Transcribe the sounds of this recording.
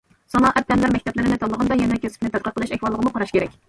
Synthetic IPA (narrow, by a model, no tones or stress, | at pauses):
sɑnɑʔɛp̚d̪ɛnlæɾmɛk̚ʲt̪ʰɛplɪɾɪnɪt̪ʰɑd̪lːˠəʁɑnd̪ɑjɛnɛɛkʲʰøsɪ̥kʲnɪt̪ɛt̪̚qʰət̚qəlˠɨʃɛkʲwɑlˠːəʁəmuqʰɑɾɑʃkʲeɾɛkʲ